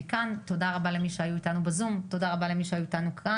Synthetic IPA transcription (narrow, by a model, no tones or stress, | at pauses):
ikanto̞daʁabale̞miʃeajuitanubazumto̞daʁabale̞miʃeajuitanukʰa